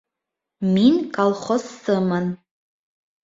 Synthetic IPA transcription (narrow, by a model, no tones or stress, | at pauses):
minkʰʼalˠχɔsːɨman